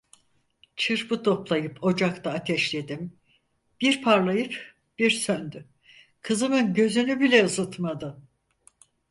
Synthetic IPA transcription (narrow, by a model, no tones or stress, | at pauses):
t͡ʃʰɯɾbɯt̪ʰo̞plˠajɯpʰo̞d͡ʒakt̪ʰaːt̪ʰɛʃlʲe̞d̪im | b̥iɾpʰaɾlˠajɯp | b̥iɾsønd̪y | kʰɯzɯmɯnɟø̞zynybilʲɛɯzɯt̪mad̪ɯ